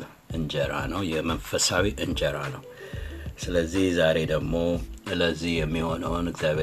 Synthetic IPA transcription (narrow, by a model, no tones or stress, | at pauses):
ʔɨnd͡ʒəɾa̰nəwjɛmənfəsawiʔɨnd͡ʒəɾanəw | sɨləzːihzaɾe̞d̪əɡmo̞ləzːihjɛmːiho̞nə̰wnɨɡzjaβe